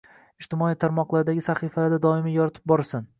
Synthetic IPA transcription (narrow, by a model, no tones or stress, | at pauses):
ɪʃt̪ɪmɒit̪ʰaɾmɒqlˠaɾɪd̪aɡʲɪsaχifalaɾd̪ad̪ɒɪmijɒɾat̪ʰɪ̥p̚bɒɾsan